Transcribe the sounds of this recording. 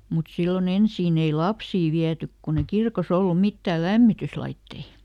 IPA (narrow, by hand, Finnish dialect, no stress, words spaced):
mut silːon ensiːn ei lɑpsiː ʋiætyk kun e kirkos olːu mitːæː læmːityslɑitːei